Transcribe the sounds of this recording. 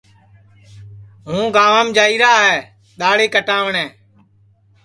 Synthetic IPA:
ɦũːɡaːʋãːmd͡ʒaːiːɾaːɦɛː | ɗ̪aːɽeːkəʈãːʋəɳɛ̃ː

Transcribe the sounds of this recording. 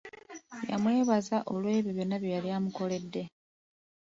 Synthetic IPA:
ja̰mwe̞ːβazaʔolwe̞ːβjoβjo̞nːaβjojaliamuko̞le̞dːe̞

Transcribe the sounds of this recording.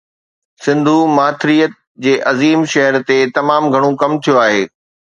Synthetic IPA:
sɪ̃nd̪ʱumaːt̪ʰɾijət̪̚ | d͡ʑeːʔɐziːmʃɐɦəɾt̪et̪ɐmaːmɡʱɐɽ̃õkɐmt̪ʰijoaːɦeː

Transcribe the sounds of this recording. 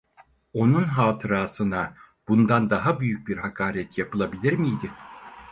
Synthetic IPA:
o̞nunɦaːt̪ʰɯɾaːsɯna | b̥und̪and̪aɦabyjyc̚biɾɦakʰaːɾɛt̪japɯlˠabilʲiɾmijd̪ɪ

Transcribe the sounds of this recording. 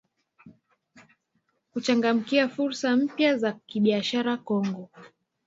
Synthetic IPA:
hut͡ʃaŋɡam̩kiafuɾsam̩pjazakiɓiaʃaɾakɔŋɡɔ

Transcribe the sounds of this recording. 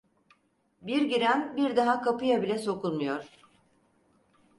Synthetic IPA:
biɾɟiɾænbiɾd̪aɦakʰapɯjabilʲɛso̞kulˠmujo̞ɾ̥

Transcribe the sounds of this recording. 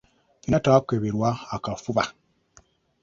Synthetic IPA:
inataːkeβiɾwaakafuβa

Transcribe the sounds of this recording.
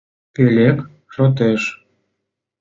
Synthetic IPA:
pelʲek | ʃot̪̬eʃ

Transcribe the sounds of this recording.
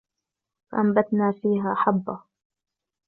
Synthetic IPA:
faʔambat̪naːfiːɦaːħabːa

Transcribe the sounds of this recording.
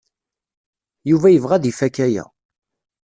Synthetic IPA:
juvæjəvʁæðifækːæjæ̰

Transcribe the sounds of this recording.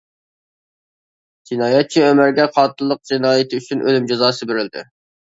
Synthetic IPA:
d͡ʒinɑːjɛt̪̚t͡ʃʰiømæɾɡʲɛqʰɑːt̪ʰɨlˠːəq̚d͡ʒinɑːjɪt̪ʰɪyt͡ʃʰynʔø̰lymd͡ʒɑzɑːsɨbeɾɪld̪ɪ̰

